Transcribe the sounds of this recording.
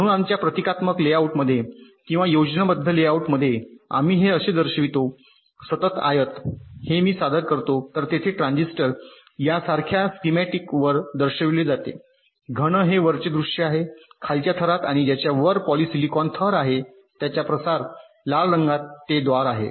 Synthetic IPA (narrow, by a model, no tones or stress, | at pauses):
məɾuːnamt͡ɕjapɾət̪ikat̪məkleauʈməd̪ʱːje | kĩw̃ʋajod͡ʑnabəd̪ʱːəleauʈməd̪ʱːjea̰m̤iːɦeəɕed̪əɾɕəʋit̪o | sət̪ət̪a̰jət̪hemiːsad̪ʱəɾkəɾt̪ot̪əɾt̪et̪ʰeʈɾãnd͡zisʈəɾ | jasaɾkʰjaskimɛʈikʋəɾd̪əɾɕəʋiled͡zat̪ḛ | ɡʱəɽ̃əɦeʋəɾt͡ɕed̪ɾuʂəaɦekʰalt͡ɕjat̪ʰəɾat̪aɽ̃id͡ʑjat͡ɕjaʋəɾpɔlisilikɔnt̪ʰəɾaɦe | t̪jat͡ɕjapɾəsaɾ | laɭɾəŋɡat̪ːed̪ʋaɾaɦḛ